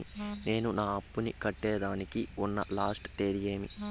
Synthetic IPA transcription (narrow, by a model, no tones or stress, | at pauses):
ine̞ːnunaːɐpːunikɐʈːɛːɖaːnikiunːɐ̰laːsʈt̪eːɾije̞ːmḭ